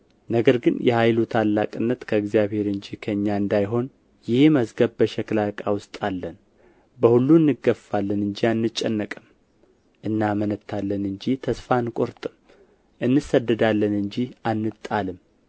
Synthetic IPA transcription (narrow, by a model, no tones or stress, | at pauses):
nəɡəɾɡɨnjɛhajlut̪ʰalːakʼɨnːət̪kʰəɨɡzijaβhe̞ɾɨɲd͡ʒikʰəɨɲːaɨnd̪ajɦo̞n | jɪhməzɡəβbəʃɛklakʼawʊst̪ʼalːən | bəhulːuɨnːɨɡːəfalːənɨɲd͡ʒianːɨt͡ʃʼːɛnːəkʼɨm | ʔɨnːamənət̪ʰːalːənɨɲd͡ʒit̪ʰəsfankʼo̞ɾt̪ʼɨm | ʔɨnːɨsəd̪ːəd̪alːənɨɲd͡ʒianːɨt̪ʼalɨm